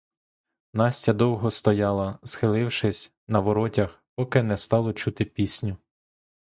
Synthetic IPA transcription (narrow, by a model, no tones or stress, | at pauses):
nɑsʲtʲɐd̪ɔwɦɔst̪ɔjɑlˠɐsxɪlˠɪwʃɪsʲ | nɐʋɔɾɔtʲɐxpɔkɪnɛst̪ɑlˠɔt͡ʃut̪ɪpʲisʲnʲʊ